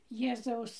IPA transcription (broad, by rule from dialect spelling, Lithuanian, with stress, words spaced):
ˈjeːzɐʊs